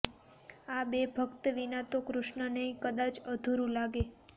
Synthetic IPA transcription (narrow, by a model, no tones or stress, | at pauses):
abebʱəkt̪əʋinat̪okɾʊʃɳənəĩkəd̪at͡ʃəd̪ʱuɾũlaɡe